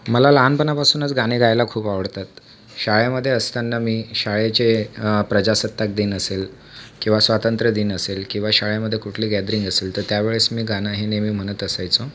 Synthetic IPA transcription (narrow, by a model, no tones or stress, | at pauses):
məlalanpənapasuːnət͡sɡañeɡajlakʰuːpaʋəɽt̪at̪ | ɕaɭjaməd̪ʱːjeəst̪janːamiːɕaɭat͡ɕepɾəd͡ʑasət̪ːak̚d̪iːnəsel | kĩw̃ʋasʋat̪ənt̪ɾəd̪iːnəselkĩw̃ʋaɕaɭjaməd̪ʱjekuʈʰliːɡɛd̪ɾiŋɡəselt̪əɾt̪jaʋeɭesmiːɡanaɦinemiːm̤əɽ̃ət̪əsajt͡so